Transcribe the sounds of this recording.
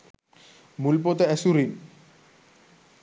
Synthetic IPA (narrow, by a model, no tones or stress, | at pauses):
mulpot̪eɛsuɾin